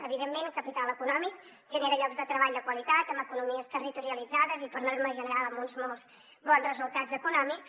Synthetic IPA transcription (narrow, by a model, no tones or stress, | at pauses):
əβiðemːenkəpit̪alˠəkunɔmik | ʒəneɾəʎɔɡzðət̪ɾəβaʎd̪əkwəlit̪at̪əmbəkunumiəst̪ərit̪uɾiəlid͡zaðəzipəɾnorməʒənəɾalˠəmbunzmɔlˠs | bɔnzrəzulˠt̪ad͡zəkunɔmiks